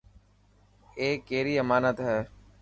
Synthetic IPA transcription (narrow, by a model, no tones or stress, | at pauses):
eːkːeːɾiːəmaːnət̪ɦɛː